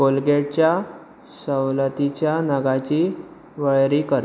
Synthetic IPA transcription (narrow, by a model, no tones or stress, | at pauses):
bolɡeɽt͡ɕja | səwlət̪it͡ɕjanəɡat͡ɕiː | ʋəɭɾikəɾ